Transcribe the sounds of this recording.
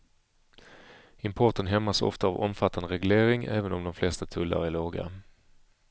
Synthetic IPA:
ɪmpʰɔʈənɦɛmːasɔ̰ft̪aːvɔ̰mfat̪ʰːand̪əɾɛɡleːɾɪŋæ̰ːvənɔmd̪ɔmflɛst̪at̪ʰɵlːa̰ɾæɭoːɡa̰

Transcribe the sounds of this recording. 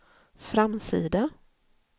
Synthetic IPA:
fɾamsiːd̪a

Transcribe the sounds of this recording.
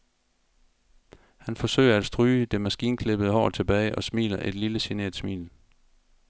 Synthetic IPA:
hænfɒ̽sø̰ɪɐæd̥sd̥ʁyːd̥e̝mæsɡ̥iːnkʰle̝b̥əð̞̩ˠəhɒ̰ːt͡sʰe̝b̥ɛːɪʔɒ̽smḭːlɐʔe̝d̥liləsinḛɐð̥ˠsmḭːl

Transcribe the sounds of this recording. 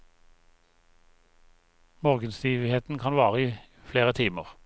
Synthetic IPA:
moːʁɡənst̪iːʋheːt̪n̩kʰɑnʋɑːʁəiː | fleːʁət̪ʰiːmə̰ʁ

